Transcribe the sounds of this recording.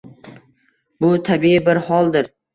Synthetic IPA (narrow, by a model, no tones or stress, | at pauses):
bʊt̪ʰabiɪbɪɾhɒlˠd̪ɪɾ